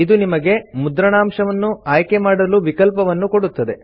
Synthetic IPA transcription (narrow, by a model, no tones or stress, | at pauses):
id̪unimɐɡe̞mud̪ɾɐɳaːmʂɐʋɐnːuaːjke̞maːɽɐluʋikɐlpɐʋɐnːuko̞ɽut̪ːɐd̪e̞